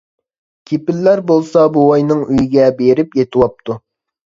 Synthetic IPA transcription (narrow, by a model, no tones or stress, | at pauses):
kʲʰepɪlːæɾbolˠsɑbowɑjnɨŋyjiɡʲɛbeɾɪpjet̪ʰɨwɑp̚t̪ʰu